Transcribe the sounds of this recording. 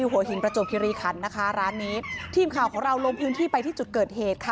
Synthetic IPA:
iː˧ɦu˨˩˦ɐɦi˩˦npɾa˧t͡ɕo˨˩p̚kʰi˧ɾiː˧kʰa˩˦nːa˦˥kʰa˦˥ɾaː˦˥nːiː˦˥t̪ʰiː˧˩mkʰaː˨˩wkʰɔː˩˦ŋɾa˧wlo˧mpʰɯː˦˥nt̪ʰiː˥˩pa˧jt̪ʰiː˥˩t͡ɕu˨˩t̪̚kɤː˨˩t̪̚heː˨˩t̪̚kʰa˧˩

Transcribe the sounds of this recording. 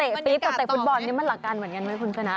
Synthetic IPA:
t̪e˨˩pi˦˥p̚k̪a˨˩t̪e˨˩fu˦˥t̪̚bɔ˧nːi˦˥ma˧nla˨˩kːaː˧nmɯ˩˦nka˧nma˦˥jkʰu˧nsʰa˧na˦˥

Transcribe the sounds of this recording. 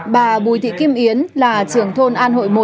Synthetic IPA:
ɓaː˨˩ɓu˨˩˦jt̪ʰḭ˧˨ki˧mʔi˨˦ənlaː˨˩t͡ɕɨ˨˩əŋt̪ʰo˧nʔaː˧nho̰˧˨jmo˨˩

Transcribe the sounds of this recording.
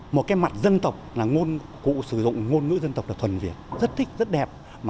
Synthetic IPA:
mo˨˩t̚kaː˨˦jma˨˩t̚zə˧nt̪ə˨˩wk͡p̚laː˨˩ŋo˧n | kṵ˧˨sɨ˧˩zʊ̰˧˨ŋ͡mŋo˧nŋɨ̰˧˥zə˧nt̪ə˨˩wk͡p̚l̚ːt̪ʰə˨˩nvḭ˨˩ət̚zə˦˥t̚t̪ʰï˦˥k̟̚zə˦˥t̚ɗɛ˨˩p̚ | maː˨˩

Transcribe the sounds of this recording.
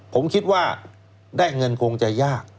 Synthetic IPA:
pʰo˩˦mkʰi˦˥t̪̚waː˥˩ | daː˥˩jŋɤ˧nkʰoː˧ŋt͡ɕa˧jaː˥˩k̚

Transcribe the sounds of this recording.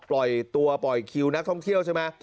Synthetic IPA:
plɔ˨˩jt̪u˧ɐpɔ˨˩jkʰi˧wna˦˥k̚t̪ʰɔ˥˩ŋt̪ʰi˥˩əwt͡ɕʰa˥˩jma˦˥

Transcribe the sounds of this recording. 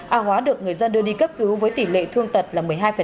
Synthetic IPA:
ʔaː˧˩hwaː˨˦ɗɨ˨˩ək̚ŋɨ˨˩əjzə˧nɗɨ˧əɗi˧kə˦˥p̚kɨ˨˦wvəː˨˦jt̪i˧˩lḛ˧˨t̪ʰɨ˧əŋt̪ə˨˩t̚laː˨˩mɨ˨˩əjɦaː˧jfə˨˩

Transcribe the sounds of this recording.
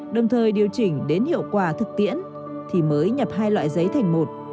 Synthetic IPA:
ɗə˨˩wŋ͡mt̪ʰəː˨˩jɗi˨˩əwt͡ɕï˨˩ŋ̟ɗe˨˦nhḭ˧˨əwkwaː˨˩t̪ʰɨ˨˩k̚t̪ḭ˧˥ən | t̪ʰi˨˩məː˨˦jɲə˨˩p̚hɦaː˧jlwa̰ː˧˨jzə˨˦jt̪ʰa˨˩jŋ̟mo˨˩t̚

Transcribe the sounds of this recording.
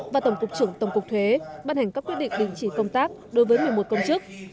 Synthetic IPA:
vaː˨˩t̪ə˧˩wŋ͡mkʊ˨˩k͡p̚t͡ɕɨ˧˩əŋt̪ə˧˩wŋ͡mkʊ˨˩k͡p̚t̪ʰwe˨˦ɓaː˧nha˨˩jŋ̟kaː˦˥k̚ːwi˦˥t̚ɗ̰ŋ̟ɗï˨˧˩ŋ̟t͡ɕi˧˩kə˧wŋ͡mt̪aː˦˥k̚ɗo˨˦jvəː˨˦jmɨ˨˩əjmo˨˩t̚kə˧wŋ͡mt͡ɕɨ˦˥ək̚

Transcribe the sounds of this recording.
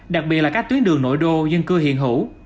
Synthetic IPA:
ɗa˨˩k̚ɓi˨˩t̚lːaː˦˥kt̪wi˨˦ənɗɨ˨˩əŋno̰˧˥jɗo˧zə˧nkɨ˧hɦḭ˧˨ənɦṵ˧˥

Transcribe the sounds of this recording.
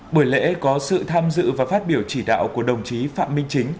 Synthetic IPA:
ɓu˧˩əjlḛ˧˥kɔ˨˦sɨ̰˧˨t̪ʰaː˧mzɨ̰˧˨vaː˨˩faː˦˥t̚ɓi˧˩əwt͡ɕi˧˩ɗa̰ː˧˨wku˧˩əɗə˨˩wŋ͡mt͡ɕi˨˦fa̰ː˧˨mːï˧ŋ̟t͡ɕï˨˦ŋ̟

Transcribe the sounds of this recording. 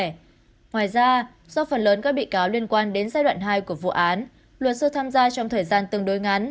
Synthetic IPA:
ŋwaː˨˩jzaː˧ | zɔ˧wfə˨˩nləː˨˦nkaː˦˥k̚ɓḭ˧˨kaː˨˦wli˧ənkwaː˧nɗe˨˦nzaː˧jɗw̰ːnɦaː˧jku˧˩əvṵ˧˨ʔaː˨˦n | lwə˨˩t̚sɨ˧t̪ʰaː˧mzaː˧t͡ɕɔ˧wŋ͡mt̪ʰəː˨˩jzaː˧nt̪ɨ˧əŋɗo˨˦jŋa˨˦n

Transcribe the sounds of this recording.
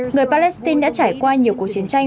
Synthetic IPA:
ŋɨ˨˩əjpaː˧lɛ˦˥st̪i˧nɗa̰ː˧˥t͡ɕaː˧˩jkwaː˧ɲi˨˩əku˨˩ək̚t͡ɕi˨˦ənt͡ɕa˧jŋ

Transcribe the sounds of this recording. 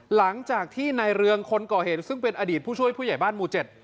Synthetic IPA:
la˩˦ŋt͡ɕaː˨˩k̚t̪ʰiː˥˩na˧jɾɯ˧əŋkʰo˧nkɔː˨˩heː˨˩t̪̚sɯ˥˩ŋpe˧nʔaː˧diː˨˩t̪̚ʰuː˥˩t͡ɕʰu˥˩əjpʰuː˥˩ja˨˩jbaː˥˩nmuː˧t͡ɕe˨˩t̪̚

